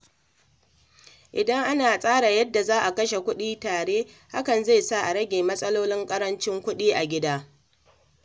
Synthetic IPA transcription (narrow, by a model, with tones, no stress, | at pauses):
ʔɪ˨dɐ˦ŋʔa˦naː˨sʼaː˦ɽa˨jɐ˦dːa˨zaː˦ʔa˨kɐ˦ʃe˨kʷʊ˦ɗiː˦taː˨ɽeː˦ | ha˦kɐ˨nza˦˨jsa˦˨ʔa˨ɾɐ˦ɡʲeː˨mɐ˦sʼɐ˦loː˦lɪ˦ŋkʼɐ˦ɾɐ˦nt͡ʃɪ˦ŋkʷʊ˦ɗiː˦ʔa˨ɡʲɪ˦daː˦